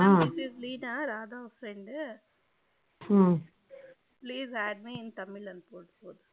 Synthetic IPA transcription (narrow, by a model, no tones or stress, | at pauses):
asizliːnaːɾaːd̪aːʋɐfɾɛɳɖ | pliːzæːɖmiɪnt̪ɐmːɪlɐnpoːɽɯpoːðɯ